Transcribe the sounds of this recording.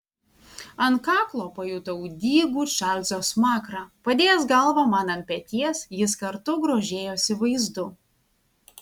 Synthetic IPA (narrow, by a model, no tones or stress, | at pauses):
ɐnkɑːklˠoːpɐjuːt̪ɐud̪ʲiːɡuːʃʲæːlʲzʲoːsmɑːkɾɑːpɐd̪ʲeːjɛsɡɐlˠʋɐmɑːnɐmpʲɛt̪ʲiɛsjɪskɐɾt̪ʊɡɾoːʒʲeːjoːsʲɪʋɐɪzd̪ʊ